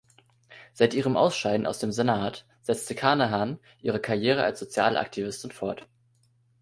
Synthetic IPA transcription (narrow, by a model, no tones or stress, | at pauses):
z̥aɪtʔiːʁ̞əmʔa̰ʊsʃaɪdn̩ʔa̰ʊsd̥eːmzenaːt | z̥ɛt͡stəkʰaɐnaɦan | ʔiːʁ̞əkʰaɐjeːʁ̞əʔa̰lsz̥ot͡sja̰ːlʔa̰ktʰivɪstɪnfɔɐt